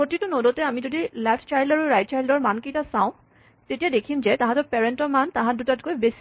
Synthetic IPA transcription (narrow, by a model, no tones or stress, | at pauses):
pɹotitʊnodɔtɛamizodilɛtʰt͡ʃajldaɹuɹajt̚t͡ʃajldɔɹmankejtasawʊ̃ | tetijadekʰimzɛtãɦãtɔɹpɛɹɛntɔɹmantãɦãdutatkojbesi